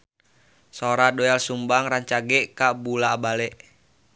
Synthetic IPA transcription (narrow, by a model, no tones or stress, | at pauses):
sɔɾadɔɛlsumbaŋɾaɲt͡ʃaɡɛʔkabulaːbalɛʔ